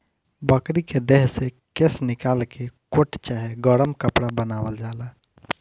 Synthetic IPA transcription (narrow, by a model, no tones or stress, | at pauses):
bəkɾiked̪eɦse | kesnɪkaːlkekoʈt͡ʃaːɦeɡɔɽəmkəpɽabənaːwəld͡ʒaːlaː